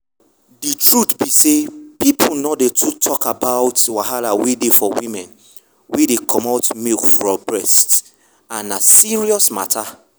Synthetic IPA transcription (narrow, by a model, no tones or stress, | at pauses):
ditɹutbisepipʰunɔdetʰutʰɔkabaʊtwaɦalawedefɔwĩmɛ̃n | wedekʰɔmatmikfɹɔbɹɛst | ãnasiɹiɔsma̰tʰa